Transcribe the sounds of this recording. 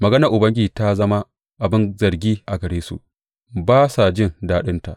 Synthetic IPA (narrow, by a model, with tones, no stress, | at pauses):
mɐ˨ɡɐ˦nɐ˨ɾʔʊ˨bɐ˦ŋɡʲiː˨ta˦zɐ˦ma˦ | ʔa˨bɪ˦nzɐ˨rɡʲiː˦ʔa˨ɡɐ˨ɽeː˦sṵ˨ʔ | baː˦sa˨d͡ʒɪ˦˨ndaː˦ɗɪ˦nta̰˨ʔ